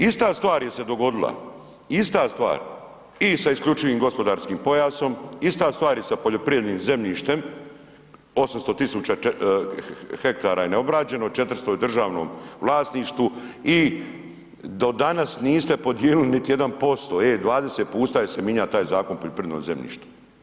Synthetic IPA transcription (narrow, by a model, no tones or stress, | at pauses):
ist̪aːst̪ʋaːɾje̞se̞d̪o̞ɡo̞d̪ilˠa̰ | ist̪aːst̪ʋa̰ːɾ | isaiskʎʲut͡ʃiʋiːmɡo̞spo̞d̪aːɾskiːmpo̞jaːso̞mist̪aːst̪ʋaːɾjesapoʎo̞pɾijed̪niːmze̞mʎiːʃt̪e̞m | o̞samst̪o̞t̪isuːt͡ɕa | hekt̪aːɾaːjeneo̞bɾaːd͡ʑe̞not͡ʃe̞t̪r̩st̪ojd̪r̩ʒaːʋno̰ːmʋlˠaːsniʃt̪ʋui | d̪o̞d̪anasniːst̪e̞po̞d̪jeːlulinit̪ije̞d̪anpo̞st̪o̞ed̪ʋaːd̪eset̪̚puːst̪aːjese̞miɲat̪aːjzaːko̞npoʎopɾijed̪no̰zemʎḭːʃt̪u̥